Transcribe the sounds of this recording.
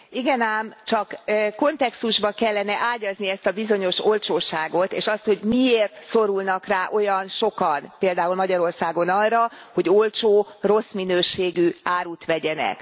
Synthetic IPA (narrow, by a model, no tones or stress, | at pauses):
iɡɛnaːmt͡ʃɒkko̞nt̪ɛkst̪uʒbɒkɛlːɛnɛʔaːɟɒzniɛst̪ɒbizo̞ɲo̞ʃo̞lt͡ʃoːʃaːɡo̞t̪ḛːʃɒst̪ho̞ɟmieːrt̪so̞ɾulnɒkraːʔo̞jɒnʃo̞kɒnpeːld̪aːulmɒɟɒɾo̞rsaːɡo̞nɒrːɒ | ho̞ɟo̞lt͡ʃoːro̞sminøːʃeːɡyaːɾut̪ʋɛɟɛnɛ̰k